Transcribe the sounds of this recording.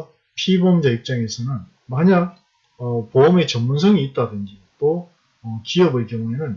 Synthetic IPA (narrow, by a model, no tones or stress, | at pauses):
pʰibʌmd͡ʑaip̚t͡ɕ͈aŋesʰɯnan | maɲaɡ̚ | ʌpoɯme̞t͡ɕʌmmunsʰʌŋiːt̚t͈adɯnd͡ʑit͈o | ʌkiʌbɯɭkjʌŋuenɯn